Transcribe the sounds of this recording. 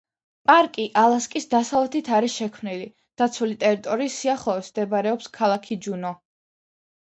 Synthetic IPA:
pʼaɾkʼiʔalˠaskʼisd̪asavlɛt̪ʰit̪ʰaɾiʃɛkʰmnili | d̪̥at̪sʰulit̪ʼɛɾit̪ʼɔɾiːsiaχɔɔsmd̪ɛbaɾɛɔpskʰalˠakʰid͡ʒunɔ

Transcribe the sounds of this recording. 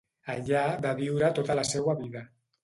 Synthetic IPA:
aʎaðaβiwɾat̪ot̪alasewaβiða

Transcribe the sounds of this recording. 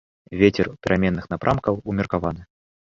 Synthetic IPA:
vʲet͡sʲɛrpʲɛɾʔamʲɛnːɨxnapɾʔamkɐwumʲɛrkavanɨ

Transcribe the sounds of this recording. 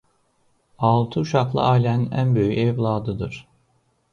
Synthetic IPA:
ɑlˠt̪ʰɯuʃaklˠɯ̰ʔaːlʲɛninʔæ̰nbø̞jyɛvlˠaːd̪ɯd̪ɯɾ̥

